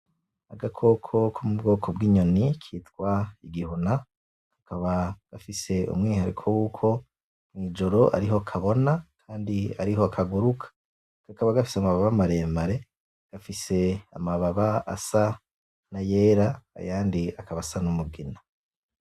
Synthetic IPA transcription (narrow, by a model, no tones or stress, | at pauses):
aɡakʰo̞kʰo̞kʰumubɡo̞ːkʰobɡiːɲo̞nikʰiːtkwaiɡihuna | kḁkʰaβaɡ̥afise̞ṵmŋiːhaɾikʰowuːkʰo̞ | mŋwiːd͡ʒo̞ɾo̞ʔa̰ɾiɦo̞kʰaβo̞nakʰaːndia̰ɾiɦo̞akʰaɡuɾukʰḁ | kakaβaɡafi̥seamaβaβamaɾe̞ːmbaɾe̞ | ɡ̥afise̞a̰maβaβaa̰sa | najeːɾa̰ːjaːndiakaβasanumubɡina